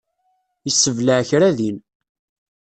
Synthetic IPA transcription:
jəsːəvləʕçɾæðin

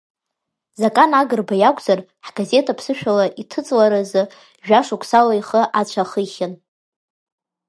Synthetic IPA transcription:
zakʼanaɡɨrbajakʷʼzarħɡaze̞tʰapʰsɨʃᶣalaʔitʰɨt͡sʼlaɾazɨ | ʒᶣaʂukʷʰʼsalaiχəʔat͡ɕʷʰaχəχʲɪn

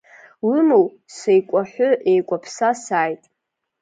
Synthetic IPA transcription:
wʊmow | sejkʷʼaħʷʊʔejkʷʼapʰsasaːjtʼ

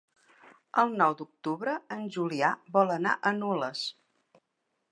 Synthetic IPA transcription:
əlˠnɔwd̪uk̚t̪uβɾəənʲʒuliaβɔləna̰ʔənuləs

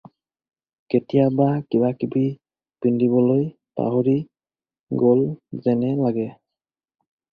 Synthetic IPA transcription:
ketijabakibakibi | pindibɔlojta̰ɦoɹi | ɡolzɛnɛlaɡɛ

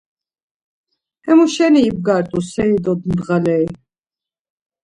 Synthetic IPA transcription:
ɛmuʃɛniːb̚ɡaɾt̪ʼusɛid̪ɔd̪md̪ʁalɛi

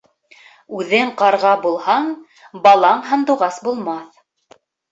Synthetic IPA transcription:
ʉðɘɴqɑɾʁɑbulˠhɑɴ | bɑlˠɑɴɦɤ̆nd̪uʁɑsbulˠmɑθ

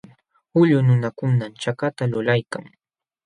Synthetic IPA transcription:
ʊʎʊnʊnakʊnamt͡ʃakat̪alʊlajka̰ŋ

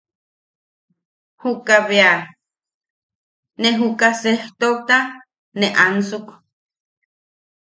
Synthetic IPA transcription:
hukaβea | neɦukaseht̪ok̚t̪a | neʔansuk

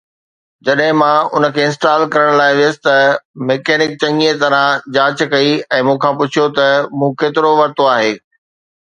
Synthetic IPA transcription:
d͡ʑɐɗɦɪ̃mãʊ̰nə̆kʰeːɪ̃nsʈaːlkɐɾəɽ̃laːɪʋɪjəsɪ̥̆t̪ɐmeːkɛːnɪk̚t͡ɕɐ̃ŋiet̪ɐɾãd͡ʑaːt͡ɕkɐiɛ̃ːmũːkʰãpʊt͡ɕʰijot̪ɐmũːkeːt̪ɪɾoʋɐɾt̪oaːɦeː

